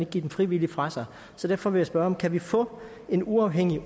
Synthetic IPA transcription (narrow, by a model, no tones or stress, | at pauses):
ne̝ɡ̥ɡḭːdemfʁiʋilifʁɑ̈sɑ̈ɪ | sɒ̽d̥æɐfɒ̽ʋe̝jasb̥ɶɐɒ̽mkʰæʋifɔ̰̽ː | e̝nuɑ̈ʊɦeŋ̰i